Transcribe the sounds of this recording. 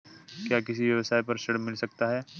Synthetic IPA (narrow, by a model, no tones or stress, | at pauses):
kjaːkɪsiʋjɐʋəsaːipɐɾʃɐɽmːɪlsɐk̚t̪aɦɛː